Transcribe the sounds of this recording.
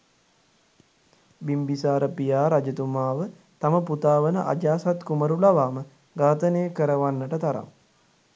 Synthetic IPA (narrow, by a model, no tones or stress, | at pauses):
bimbisaːɾəpijaːɾad͡ʒət̪umaːʋə | t̪aməput̪aːʋənəʔa̰d͡ʒaːsat̪kuməɾulaʋaːmə | ɡaːt̪ənejəkəɾəʋanːəʈət̪aɾa̰m